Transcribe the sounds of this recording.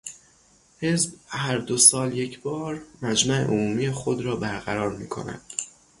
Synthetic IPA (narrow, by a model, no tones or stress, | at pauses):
he̞zbhæɾd̪osɒːlje̞cʰbɒːɾmæd͡ʒmæʔḛʔomuːmiːjexod̪ɾɒːbæɾɣæɾɒːɾmiːkʰo̞̰næ̰d̪̥